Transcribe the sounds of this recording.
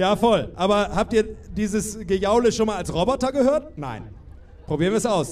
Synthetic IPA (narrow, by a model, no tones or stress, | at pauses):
jaːfɔlʔaːbɐhaːp̚tiːɐdiːzəsɡ̥əjaʊləʃoːnmaːlalsʁɔbɔtɐɡəhøːɐtna̰ɪn | pʁ̥obiːʁɐnviːɐɛsaʊs